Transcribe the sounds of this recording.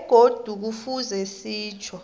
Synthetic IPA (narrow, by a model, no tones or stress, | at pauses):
ɡ̥ʱod̥ʱuk̬ufuzɛsiːt͡ʃʰɔ